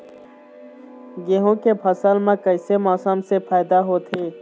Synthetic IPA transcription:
ɡeɦõkepʰɐsəlmẽkɐɪsemɔːsəmsepʰaːɪd̪aɦoːt̪ʰeː

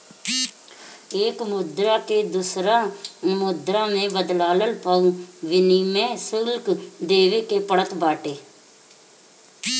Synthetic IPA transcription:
eːkmʊd̪ɾaːkeːd̪usɾaːmʊd̪ɾãːnẽːbəd̪laːləlpaːuːʋɪniːmɛ̃ːsəlkd̪eːʋeːkeːpəɽət̪baːʈeː

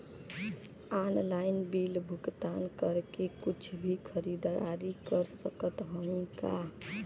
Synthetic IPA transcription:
anlaɪnbilbʱukt̪ankəɾkekut͡ʃʰbʱikʰəɾid̪aɾikəɾsəkət̪ɦəĩka

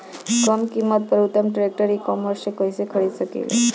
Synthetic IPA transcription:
kɾɔmkimːət̪̚pəɾut̪ːəmʈɾek̚ʈəɾikɔməɾsekəisekʰəɭiʃəkḛlḭ

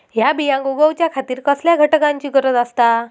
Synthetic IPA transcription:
ɦjabijãŋɡuɡəwt͡ɕjakʰat̪iːɾkəsljaɡʱəʈəkaɲt͡ɕiːkəɾət̪ast̪a

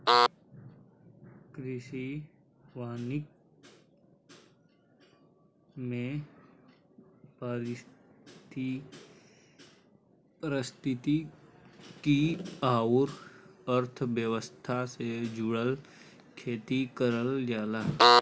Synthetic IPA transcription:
kɾɪʃi | ʋaːnɪk̚ | mẽ | pəɾɪt̪i | pɾɪst̪ʰɪt̪i | kiaːʊɾəɾt̪ʰʋjəʋəst̪ʰased͡ʒʊɽəl | kʰeːt̪ikəɾəld͡ʒaːlaː

